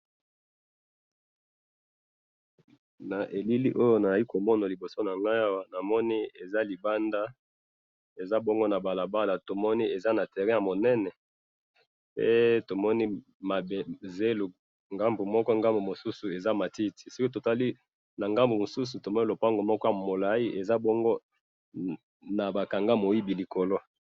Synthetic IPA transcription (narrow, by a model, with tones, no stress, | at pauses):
na˨ʔe˨li˦li˦ʔo˦jo˦na˨a˨li˦ko˨mɔ˦na˨li˨bo˨so˦na˨ŋɡa˦a˦wa˦na˨mɔ˦ni˦e˨za˦li˨ba˦nda˦ | e˨za˦bɔ˦ŋɡo˦na˨ba˨la˨ba˦la˨to˨mɔ˦ni˦e˨za˦na˨tɛ˨ʁɛ̃˦ja˨mo˨nɛ˦nɛ˨ | pe˦to˨mɔ˦ni˦ | ma˨be˨ze˦lu˨ | ŋɡa˦mbu˨mɔ˦kɔ˦ŋɡa˦mbu˨mo˨su˦su˨e˨za˦ma˨ti˦ti̥˨si˦ki˦to˨ta˦li˦ | na˨ŋɡa˦mbu˨mo˨su˦s̬u˨to˨mɔ˦i˦lo˨pa˦ŋɡo˨mɔ˦kɔ˦mo˨la˨i˦ʔe˨za˦bɔ˦ŋɡo˦ | na˨ba˨ka˨ŋɡa˦mo˨ji˦bi˨li˨ko˨lo˦